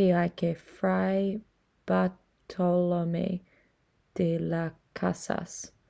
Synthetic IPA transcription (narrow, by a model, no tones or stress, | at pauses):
iakefɹaj | b̥a | tʰɔlomḛ | d̪̥elakʰasa̰s